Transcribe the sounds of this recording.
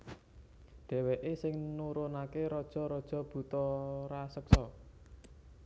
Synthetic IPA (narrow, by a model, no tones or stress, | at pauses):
ɖ̥ɛ̤weʔesɪŋnuɾonakeɾɔd̥ʒ̥ɔ̤ɾɔd̥ʒ̥ɔ̤b̥ṳt̪ɔɾasəksɔ